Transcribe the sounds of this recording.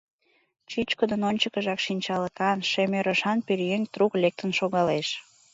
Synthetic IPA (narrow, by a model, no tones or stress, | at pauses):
t͡ɕyt͡ɕkəd̪ənonʲt͡ɕəkəʒɑkʃinʲt͡ɕɑləkɑnʃemøɾəʃɑnpeɾjeŋt̪ruklek̚t̪ənʃoɣɑleʃ